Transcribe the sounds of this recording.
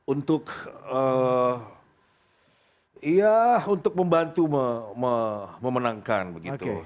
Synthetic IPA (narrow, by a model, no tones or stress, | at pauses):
unt̪ʊkə | ijahunt̪ʊk̚məmbant̪uməməməmənaŋka̰nbəɡit̪ṵ